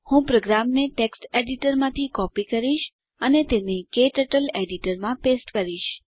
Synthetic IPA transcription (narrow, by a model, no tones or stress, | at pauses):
hũpɾoɡɾamneʈeksʈeɖiʈəɾmãt̪ʰikɔpikəɾiʃ | ənet̪enekeʈəʈəleɖiʈəɾmãpesʈkəɾiʃ